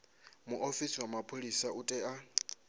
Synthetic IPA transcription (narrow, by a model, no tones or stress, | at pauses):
muʔofisiwamapʰʼolisautʼɛa